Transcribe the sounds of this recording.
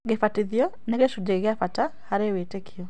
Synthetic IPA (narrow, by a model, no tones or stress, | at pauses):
ɣefatiðjɔ | neɣeʃudeɣeafatahaɾewetekʰiɔ